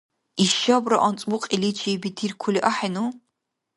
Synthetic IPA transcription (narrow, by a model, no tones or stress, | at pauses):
iʃɐbrɐʔɐnt͡sʼwʊqʼilit͡ʃʰiːbitʰirkʷʰʊliʔɐħinuː